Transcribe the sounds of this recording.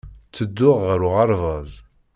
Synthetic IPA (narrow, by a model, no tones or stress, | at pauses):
t͡sːəd̪ːʊʁːəɾʊʁɑɾˤvɑzˤ